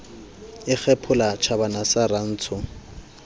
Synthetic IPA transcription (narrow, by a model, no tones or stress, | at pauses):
ɪk͡xʰɛpʰʊlat͡ʃʰabanasaran̩ːt͡sʰʊ